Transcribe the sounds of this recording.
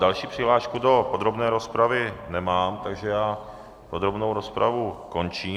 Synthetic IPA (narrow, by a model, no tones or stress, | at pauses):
dalʃiːpr̥ɪɦlaːʃkudo̞pod̪ɾobnɛːɾo̞spɾavɪnɛmaːmt̪aɡʒɛjaː | pod̪ɾobnowɾo̞spɾʔavuko̞nt͡ʃiː